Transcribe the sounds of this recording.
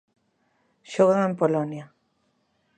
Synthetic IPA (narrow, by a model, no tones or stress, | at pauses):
ʃoɣoempolonja